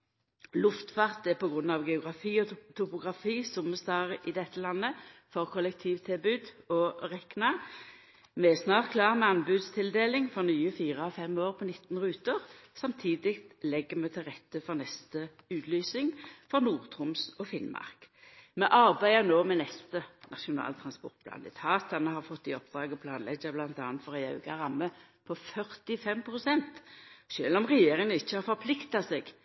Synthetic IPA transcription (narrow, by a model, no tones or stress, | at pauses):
lʊft̪fɑʁt̪ɛpɔɡʁʉnːɑʋɡɛʊɡʁɑfiːɔt̪ʰʊpʊɡʁɑfiːsʊməst̪ɑːʁəʔɪd̪ɛt̪ːəlɑnːəfɔʁkʰɔlɛk̚t̪ʰiːʋt̪ʰɪlbʉːd̪ɔʁɛknɑ | mɛɛsnɑːʁt̪̚kʰlɑːʁmɛɑnbʉːd̪st̪ʰɪld̪eːlɪŋfɔʁnyːəfiːʁəɑfɛmoːʁpʰɔnɪt̪ːn̩ʁʉːt̪əʁsɑmt̪ʰiːd̪ɪkt̪lɛɡːəmɛt̪ʰɪlʁɛt̪ːəfɔʁnɛst̪ə | ʉːt̪lyːsɪŋfɔʁnuːʁt̪ʰʁʊmsɔfɪnmɑ̰ʁkmɛʔɑʁbæɪənoːmɛnɛst̪ənɑʃʊnɑ̰ːlt̪ʰʁɑnspɔ̰ʁt̪̚b̥lɑ̰nd̪ɛt̪ʰɑːt̪ːɑnəhɑʁfɔt̪ːɪɔpd̪ʁɑːɡɔpʰlɑːnlɛɡːɑblɑnt̪ɑ̰ːnt̪fɔʁæɪɑʉɡɑ̰ʁɑmːəpʰɔfœʁt̪ɪfɛmpʰʁʊsɛnt̪ʃøːlɔmʁɛjeːʁɪŋənəɪçːəhɑʁfɔʁpʰlɪkt̪ɑseːɡ